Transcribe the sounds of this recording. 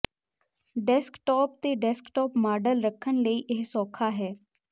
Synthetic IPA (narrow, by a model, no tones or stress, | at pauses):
ɖɛskʈɔːp̚t̪eːɖɛskʈɔːpmaːɖəlɾəkʰːənləiːʔɪɦsɔːkʰaːɦɛː